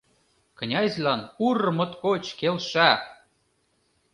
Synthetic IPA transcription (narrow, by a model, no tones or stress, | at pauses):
kə̆nʲɑzʲlʲɑnuɾɤ̆mɤ̆t̪kot͡ɕkelʃæ